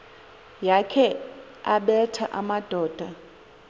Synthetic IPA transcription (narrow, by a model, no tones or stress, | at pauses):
jakʰɛ | aɓɛtʰaʔamad̥ʱɔːd̥ʱa